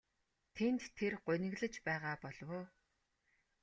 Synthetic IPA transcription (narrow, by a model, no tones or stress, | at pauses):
t̪ʰent̪ʰːerɢʊnʲɪ̆ɣɮə̆t͡ɕpæːʁaːpɔɮwoː